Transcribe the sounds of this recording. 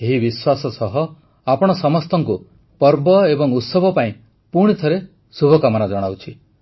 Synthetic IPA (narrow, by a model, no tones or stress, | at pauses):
eɦibiswasɔsɔɦɔ | apɔɽ̃ɔsɔmɔst̪ɔŋku | pɔɾbɔebɔŋut̪sɔbʱɔpaĩ | puɽ̃it̪ʰɔɾe | subʱɔkamɔnad͡ʒɔɽ̃awt͡ʃʰi